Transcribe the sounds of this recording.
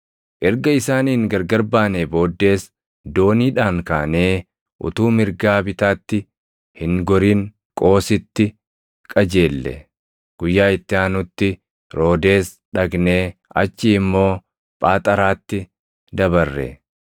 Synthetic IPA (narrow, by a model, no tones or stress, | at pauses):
ʔɛɾɡɐɪsaːniːŋɡɐɾɡɐɾbaːneːbo̞ːd̪ːe̞ːs | d̪o̞ːniːᶑaːŋkaːne̞ː | ʔʊ̰t̪uːmɪɾɡaːbɪt̪aːt̪ːɪ | hɪŋɡɔɾiːŋ | kʼo̞ːsɪt̪ːɪ | kʼɐd͡ʒe̞ːlːɛ̰ | ɡ̥ʊjːaːɪt̪ːɪaːnʊt̪ːɪ | ɾo̞ːd̪e̞ːs | ᶑɐɡne̞ːɐ̰t͡ʃːiɪmːo̞ː | pʼaːt̪ʼɐɾaːt̪ːɪ | d̪ɐbɐrːɛ̰